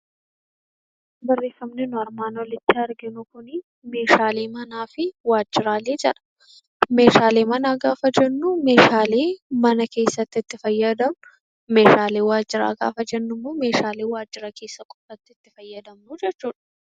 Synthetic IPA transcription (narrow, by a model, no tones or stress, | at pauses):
bɐrːeːfɐmnɪnʊɐɾmaːnɔlɪt͡ʃ̪ːɪɐɾɡɪnʊkʊnɪ | me̞ːʃaːleːmɐnaːfɪwaːd͡ʒːɪɾaːleːd͡ʒɛᶑɐ̥ | me̞ːʃaːle̞ːmɐnaːɡaːfɐd͡ʒɛnːʊme̞ːʃaːleːmɐnɐke̞ːsːɐt̪ːɪt̪ːɪfɐjːɐd̪ɐmnʊ | me̞ːʃaːleːwaːd͡ʒːɪɾa̰ːɡa̰ːfɐd͡ʒɛnːʊmːoːme̞ːʃaːleːwaːd͡ʒːɪɾɐke̞ːsːɐkʼɔfɐt̪ːɪt̪ːɪfɐjːɐd̪ɐmnʊd͡ʒɛt͡ʃːuːᶑɐ̥